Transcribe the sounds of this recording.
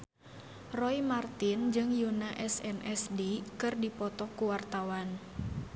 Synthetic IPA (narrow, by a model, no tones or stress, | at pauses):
rɔimart̪ind͡ʒɨŋjunaʔɛsɛmʔɛsdikɨrdipɔt̪ɔkuwart̪awan